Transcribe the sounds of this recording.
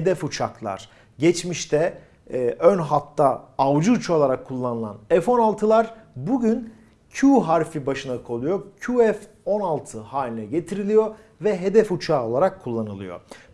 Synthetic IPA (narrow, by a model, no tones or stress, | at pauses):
hed̪ɛfut͡ʃʰaklˠa̰ɾ̥ | ɟɛt͡ʃmiʃt̪ʰɛː | ʔønɦat̪ʰːaːvd͡ʒuːt͡ʃʰo̞lˠaɾakʰːulˠːanɯlˠa̰nɛfo̞nalˠt̪ʰɯlˠaɾbuɟyn | cʰuɦaɾfibaʃɯnakʰo̞lˠujocʰuɛf | o̞nalˠt̪ʰɯhaːlʲinɛɟe̞t̪ʰiɾilʲijo̞ | vɛɦed̪ɛfut͡ʃʰaːo̞lˠaɾakʰːulˠːanɯlˠɯ̰jo̰